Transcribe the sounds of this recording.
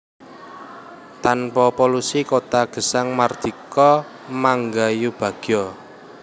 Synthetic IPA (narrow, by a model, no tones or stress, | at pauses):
t̪anpɔpolusikot̪aɡ̥ə̤saŋmard̪̥ikɔ | maŋɡajub̥ä̤ɡ̥jɔ